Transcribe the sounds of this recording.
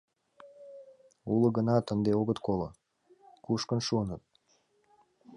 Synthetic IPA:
ulə̆ɡənɑt̪ənd̪eoɣət̪kolə̰̆ | kuʃkənʃuənət̪̚

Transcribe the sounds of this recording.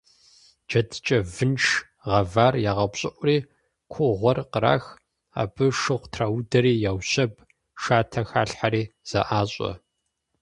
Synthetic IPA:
d͡ʒɐtʰt͡ʃʼɐvɨnʂ | ʁɐvaːrjaːʁɐbɕʼɪʔʷʊriː | kʷʰʊʁʷɔrqəɾa̰ːx | a̰ːbɨʂɨʁʷtʰraːwdɐɾiːjaːwɕɐb | ʂaːtʰɐxaːɬħaɾiːz̥ɐ̰ʔaːɕʼɐ̰

